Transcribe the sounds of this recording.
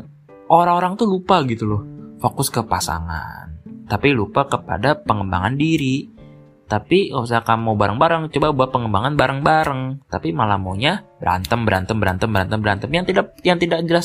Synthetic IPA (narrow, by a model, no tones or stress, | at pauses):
ʔoɾaŋoɾaŋt̪ulupaɡit̪ulʊfokʊskəpasa̰ŋa̰nt̪apilupakəpa̰dapəŋəmba̰ŋandiɾi | t̪apikaus̬akamawbaɾəŋbaɾəŋt͡ʃobabuat̪̚pəŋəmbaŋanbaɾəŋbaɾəŋt̪apimala̰moɲabəɾa̰nt̪əmbəɾʔa̰nt̪əmbəɾa̰nt̪əmbəɾant̪əmbəɾant̪əmjaŋt̪idakjaŋt̪idak̚d͡ʒəlas